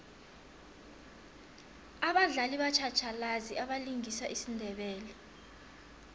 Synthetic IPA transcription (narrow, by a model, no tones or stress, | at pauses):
aɓaɮaliɓat͡ʃʰat͡ʃʰalaziʔaɓaliŋisaʔisindʱɛɓɛːlɛ